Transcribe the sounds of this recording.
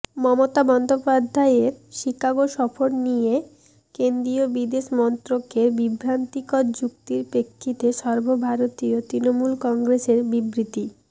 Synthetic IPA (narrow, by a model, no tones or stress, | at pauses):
mɔmot̪abɔnd̪ʱopad̪ʱːaeeɾʃikaɡoʃɔfoɾnije | kend̪ɾiobid̪eʃmɔnt̪ɾokeɾbibʱɾant̪ikɔɾd͡ʑuk̚t̪iɾpɾekʰːit̪eʃɔɾbʱobʱaɾot̪iot̪ɾinomulkɔŋɡɾeʃeɾbibɾit̪i